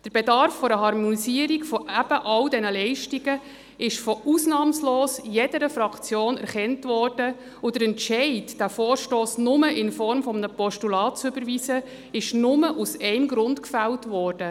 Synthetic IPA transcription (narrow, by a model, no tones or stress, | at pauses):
d̥əɾb̥edɑɾfːoɾəɦɑɾmɔnisiəɾiɡfɔʔæb̥əʔɑldɛnəlɛɪʃtiɡə | ɪʃfɔusnɑːmsloːsjɛdəɾəfɾɑkt͡sjoːnæ̰ɾχɛntʋɔːɾd̥ə | ʊdəɾɛnʃɛɪtd̥æfoːɾʃtoːsnʊməʔɪnfɔɾmfɔmnəpɔʃtulɑːt̚t͡sʏbəɾʋiːsə | ɪʃnʊməʔusɛɪmɡɾʊndkfæltʋɔːɾd̥ə